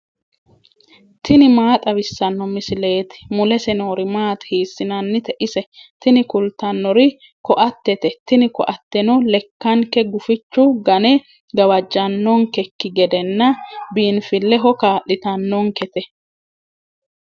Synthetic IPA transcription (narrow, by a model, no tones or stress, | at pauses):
t̪ɪnɪmaːt̪ʼɐβɪsːɐnːɔmɪsɪle̞ːt̪ɪ̥mʊlɛsɛnoːɾɪmaːt̪hiːsːɪnɐnːɪt̪ɛʔɪsɛt̪ɪnɪkʊlt̪ɐnːɔɾɪ | kɔʔɐt̪ːɛt̪ɛt̪ɪnɪkɔ̰ʔɐt̪ːɛnɔlɛkːɐŋkɛɡʊfɪt͡ʃːʊɡɐnɛ | ɡɐwɐd͡ʒːɐnːɔŋkɛkːɪɡɛd̪ɛnːɐbiːnfɪlːɛɦɔkaːʔɪt̪ɐnːɔŋkɛt̪ɛ